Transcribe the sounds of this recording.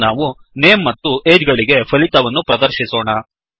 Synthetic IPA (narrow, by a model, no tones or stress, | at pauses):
naːʋu | neːmːɐt̪ːuʔeːd͡ʒɡɐɭiɡe̞pʰɐlit̪ɐʋɐnːupɾɐd̪ɐɾʃisoːɳɐ